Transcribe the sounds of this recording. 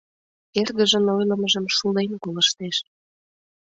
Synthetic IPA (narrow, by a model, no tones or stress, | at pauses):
erɣəʒə̆nojlə̆məʒə̆mʃulenkoləʃt̪eʃ